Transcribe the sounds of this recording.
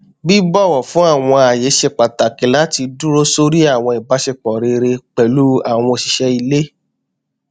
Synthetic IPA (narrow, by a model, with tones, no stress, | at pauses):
bi˦bɔ˦˨w̃ɔ̃˨fũ˦a˦˨w̃ɔ̃˧a˨je˨˦ʃe˦˨k͡pa˨ta˨ki˨˦la˨˦ti˧dũ˦ɾo˦so˦ɾi˦a˦˨w̃ɔ̃˧i˨ba˨˦ʃe˦˨k͡pɔ˨ɾe˧ɾe˧k͡pɛ˨lu˦a˦˨w̃ɔ̃˧ʃi˧ʃɛ˧i˧le˦